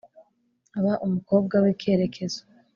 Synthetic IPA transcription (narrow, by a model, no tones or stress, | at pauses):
aβaʔumuko̞ːb̚ɡawike̞ːɾe̞kʰe̞za